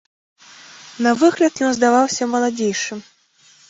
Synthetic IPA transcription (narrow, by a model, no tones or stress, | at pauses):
nɐvɨɣlʲɐt̪jɔnzd̪avawsʲɐmɐlˠad͡zʲejʂɨ